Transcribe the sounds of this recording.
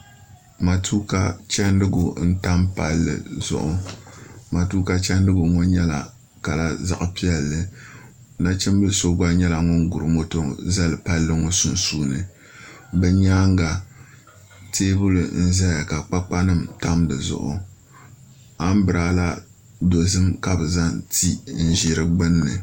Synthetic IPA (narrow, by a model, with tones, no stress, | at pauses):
ma˨tʰuː˦ka˦t͡ʃɛ˦ndɨ˦ɡʊ˨n̩˦ta˦mpa˦lːɨ̰˨zʊ̰˦˨ʔʊ˨ | ma˨tuː˦ka˦t͡ʃɛ˦ndɨ˦ɡʊ˨ŋɔ˦ɲɛ˦la̰˨ | ka˨la˦za̰˨ʔpi˦ɛ˦lːɨ˨ | na˦t͡ʃɪ˦m˦bɨ˦lso˦ɡ͡ba˦ɲɛ˦la˨ŋɔ˦ŋ˦ɡʊ˨ɾɨ˨mɔ˦to˦za˦lɨ˨pa˦lːɨ˦ŋɔ˦sʊ˦n˦suː˦nɨ˨ | bɛ˦ɲaː˦ŋ˦ɡa˨ | teː˦bʊ˦lɨ˨n̩˦zɛ˦ja˨ka˨k͡pa˦k͡pa˦nɨ˦˨mta˦mdɨ˨zʊ̰˨ʔʊ̰˨ | a˦m˦bɨ˨ɾaː˦la˦ | do˨zɨ˦mka˨bɨ˨za˦nti˦n̩˦˨ʒi˨ɾɨ˦ɡ͡bɨ˦nːɨ̰˨